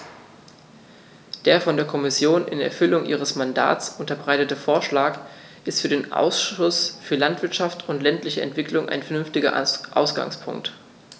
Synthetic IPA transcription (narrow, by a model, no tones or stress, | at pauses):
d̥eːɐfɔndeːɐkʰɔmɪsjoːnʔɪ̰nɛ̰ɐfʏlʊŋʔḭːʁ̞əsmanda̰ːt͡sʔʊntɐbʁaɪtətəfoːɐʃlaːk | ʔɪstfyːɐɾeːnʔa̰ʊsʊsfyːɐlantv̥ɪɐtʃaftʰʊntlɛntlɪçəɛ̰ntv̥ɪklʊŋʔa̰ɪnfɛɐnʏnftɪɡɐ̰ʔa̰ʊsɡ̥a̰ŋspʰʊ̰ŋkt